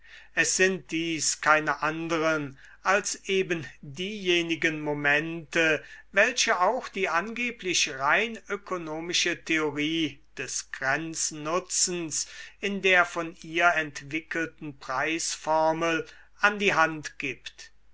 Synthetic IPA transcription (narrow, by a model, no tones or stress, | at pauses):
ʔɛsz̥ɪnt̚d̥iːskʰaɪnəʔandəʁən | ʔalsʔeːbəndiːjeːnɪɡənmomɛntəvɛlʃəaʊxd̥iːʔanɡeːplɪʃʁaɪnøkʰonoːmɪʃətʰeoʁiːd̥ɛsɡ̥ʁɛnt͡snʊt͡sn̩sɪndeːɐfɔniːɐɛntv̥ɪkəltn̩pʁ̥aɪsfɔɐməl | ʔandiːɦantɡ̥iːpt